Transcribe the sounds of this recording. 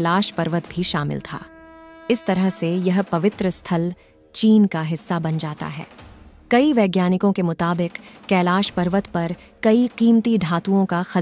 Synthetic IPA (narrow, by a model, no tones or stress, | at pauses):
laːʃpɐɾʋət̪bʱiʃaːmɪ̰lt̪ʰa̰ːɪst̪ɐɾəɦsejɐɦpɐʋɪt̪ɾəst̪ʰɐl | t͡ʃiːnkaɦɪsːabɐnd͡ʒaːt̪a̰ɦɛ̰ːkɐiʋeːɡjaːnɪkõkemʊt̪aːbɪqkɛːlaːʃpɐɾʋət̪pɐɾ | kɐiqiːmt̪iɖʱaːt̪uõkaxɐ